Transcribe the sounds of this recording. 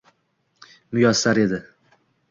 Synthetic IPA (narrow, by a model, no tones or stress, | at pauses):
mʊjɒsaɾe̞d̪ɪ